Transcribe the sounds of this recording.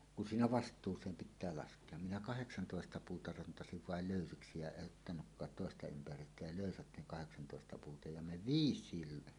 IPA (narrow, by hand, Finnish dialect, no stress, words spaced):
kun siːnæ ʋɑstˑuːsˑeːm pitˑæː lɑskˑeɑ minæ kɑheksɑntoˑestɑ puːtɑ rɑntɑsiʋ ʋɑel løˑysiksi jɑ eʔ ʔotːɑnukːɑːt toˑestɑ ympærˑyːtːæ jɑ løˑysæt ne kɑheksɑntoˑestɑ puːtɑ jɑ me ʋiːsˑiːl